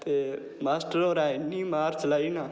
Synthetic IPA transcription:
t̪e | maːsʈəɾoːɾaːɪnːimaːɾt͡ʃɐlaːinaː

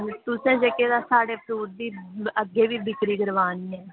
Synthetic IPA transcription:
t̪ʊsẽːd͡ʒekeːd̪aːsaːɽeːpʰɾuːʈ̚d̪iːəɡːeːʋiːbɪkɾiːɡəɾʋaːniːɛː

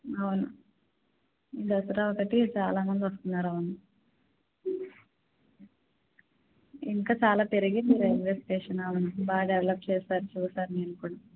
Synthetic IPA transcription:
ɐʋunu | id̪ɐsɐɾaːokːɐʈːit͡ʃaːlaːmɐnd̪iʋɐst̪unːaːɾaːʋunːu | iŋkaːt͡ʃaːlaːp̪eɾiɣimiːɾeɡʋeːsʈeːʂɐnaːʋunubaːɖeʋelɐp̚t͡ʃeːsaːɾut͡ʃuːsaːɾuneːnukuːɽɐ

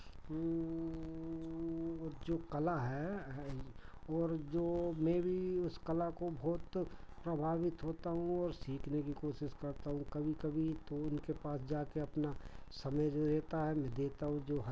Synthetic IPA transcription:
d͡ʒoːkɐlaɦɛ | ɔːɾd͡ʒoːmɛ̃bʱiʊskɐlakobʱɔːt̪ | pɾɐbʱaːʋɪt̪ɦoːt̪aɦũɔːɾsiːkʰnekikoːʃɪʃkɐɾt̪aɦũkɐbʱikɐbʱit̪oʊnkepaːsd͡ʒaːkeɐpnasɐməjd͡ʒoɾɛːt̪aɦɛmɛ̃ːd̪eːt̪aɦũd͡ʒoːɦ

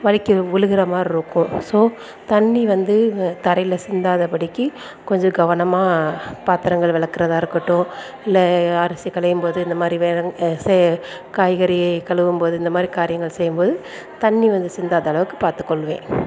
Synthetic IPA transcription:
ʋɐɻɪkːɯʊɻɯɣɪɾɐmaːɾɪɾɯkːʊ̃soː | t̪ɐɳːiʋɐnd̪ɯt̪ɐɾɐɪlɐsɪnd̪aːðɐpɐɽɪkːɯ | kɔɲd͡ʒɔ̃ɡɐʋɐnɐmaːpaːt̪ːɪɾɐŋɡɐɭʋɪɭɐkːɪɾɐðaːɪɾɯkːɯʈːʊ̃ | ɪlːɐɐɾɐsikːɐɭɐjɯmpoːðɯɪnd̪ɐmaːd̪ɾiʋsɛ | kaːjɣɐɾɪjɐɪkɐɭɯʋɯmpoːðɯɪnd̪ɐmaːd̪ɾikaːɾɪjɐŋɡɐɭsɛjːɯmpoːðɯ | t̪ɐɳːiʋɐnd̪ɯsɪnd̪aːðɐɐɭɐʋɯkːɯ̥paːɾt̪ɯ̥kːɔɭːʋḛ̃ː

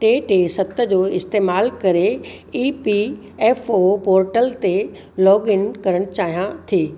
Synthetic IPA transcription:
ʈeːʈeːsɐt̪ə̆d͡ʑoːɪst̪eːmaːlkɐɾe | iːpi | ɛːfopoːɾʈəlt̪e | lɔːɡɪnkɐɾəɽ̃t͡ɕaːɦijãt̪ʰieː

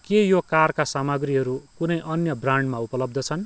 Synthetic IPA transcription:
kejokarkasamʌɡɾiɦʌɾukunʌjʔʌnjʌbraɳɖmaupʌlʌb̚d̪ʱʌt͡sʰʌn

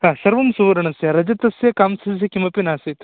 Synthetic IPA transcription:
ɦaːsɐɾʋɐmsuʋɐɾɐɳɐsjɐɾɐd͡ʒɐt̪ɐsjɐkaːmsɐs̬jɐkimɐpinaːsit̪

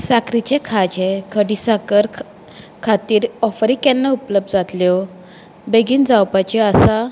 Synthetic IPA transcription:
sakɾit͡ɕẽkʰad͡ʑekʰəɽisakəɾ | kʰat̪iːɾɔfɾikɛ̃nːaupləb̚d̪d͡zat̪ljɔ | beɡiːnd͡zawpat͡ɕiasa

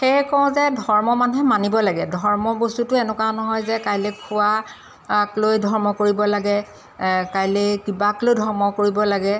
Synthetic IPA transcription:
xejkɔ̃zɛdʱɔɹmɔmanuɦɛmanibɔlaɡɛdʱɔɹmɔbostutʊɛnɛkanɔɦɔjzɛkajlekʰʊa | klojdʱɔɹmɔkoɹibɔlaɡɛ | kajlekibaklojdʱɔɹmɔkoɹibɔlaɡɛ

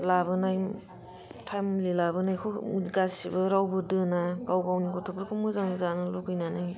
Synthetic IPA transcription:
labɯnaj | tʰamlilabɯnajkʰuɡasibɯɾawbɯdɯnaɡawɡawnikɔtʰɔpʰɾɯkʰumɯzaŋzanɯlɔkʰɯjnanaj

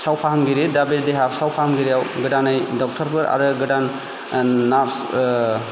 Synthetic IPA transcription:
sawpʰaɦamɡiɾidabiɾdeɦasawpʰahamɡiɾijawɡɯdanɯjdɔk̚tʰɔɾpʰɯɾa̰ɾɯɡɯdanː | aɾs

